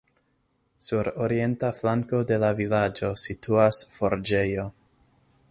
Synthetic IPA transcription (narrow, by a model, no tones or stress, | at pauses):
suɾo̞ɾie̞ntaflaŋko̞de̞lavilad͡ʒo̞sitʰuasfo̞ɾd͡ʒe̞jo̞